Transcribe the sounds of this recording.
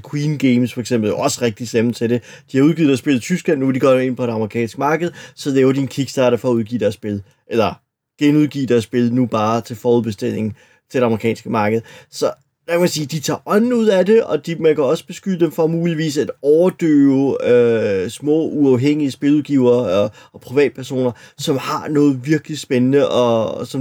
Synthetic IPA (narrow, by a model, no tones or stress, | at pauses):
kʰwiːnɡ̥eɪmsfɒ̽eɡ̥semb̥l̩oɒ̽səʁɛɡ̥̚d̥id̥semn̩t͡sʰe̝de̝ | d̥ihɑ̈uð̞ˠɡ̥ið̩̥ˠæɐsb̥e̝l̩ˠt͡sʰysɡ̥lænːuʋed̥iɡ̥ɒe̝n̰pʰɒ̽ɾ̥eɑ̈mʁikʰɛ̰ːnsɡ̥mɑ̈ːɡ̥əð̞̩ˠsɒ̽lɛːʊɐd̥ienkʰiɡ̥sd̥ɑ̈ːɾɐfɒ̽ːuðˠɡ̥ḭːd̥æɐsb̥e̝lˠ | ʔelɐ | ɡ̥enuðˠɡ̥ḭːd̥æɐsb̥e̝lˠnub̥ɑ̈ːt͡sʰe̝lfɒːuð̩ˠb̥e̝sd̥e̝l̰e̝ŋn̩ | t͡sʰe̝dɾeɑ̈məʁikʰɛ̰ːnsɡ̥əmɑ̈ːɡ̥əð̞̩ˠsɒ̽ | d̥ækʰæmænsiːd̥it͡sʰɑ̰̈ːʔɒ̽nn̩uð̞̰ˠæd̥e̝ɒ̽d̥imænkʰæɒ̽sə̥b̥e̝sɡ̥ydəd̥emfʁɑ̈muːliʋḭːsæd̥ɒʊɐd̥ø̰ːʊøsmɔ̰̽ːuɑ̈ʊɦeŋ̰iəsb̥e̝luðˠɡ̥iʊ̰ɐːɒɒ̽pʰʁiʋɛ̰ːd̥̚pʰæɐso̝̰ːnɐsɒ̽mhɑ̈nɔ̽ːð̩ˠʋiɐɡ̥əlisb̥enənəʔɒsɒ̽m